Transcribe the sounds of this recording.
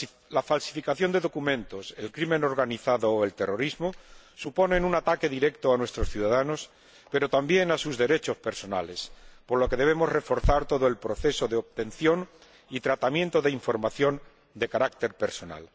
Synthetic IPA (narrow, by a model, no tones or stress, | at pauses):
lafalsi̥fikaθjo̞nd̪e̞ðo̞kumẽ̞nt̪o̞se̞lkɾimeno̞ɾɣaniθaðoːe̞lt̪e̞ro̞ɾizmosupo̞ne̞nunat̪ake̞ðiɾe̞kt̪oanwe̞st̪ɾo̞sθjuðaðano̞s | pe̞ɾo̞t̪ambje̞ŋasuzðe̞ɾe̞t͡ʃo̞spe̞ɾso̞na̰le̞spo̞ɾloke̞ðe̞β̞e̞mo̞zre̞fo̞ɾθaɾt̪o̞ð̞o̞e̞lpɾo̞θe̞so̞ðeoβt̪e̞nθjo̞ŋ | it̪ɾat̪amjẽ̞nt̪oðeiɱfo̞ɾmaθjo̞n | d̪e̞kaɾakt̪e̞ɾpe̞ɾso̞na̰l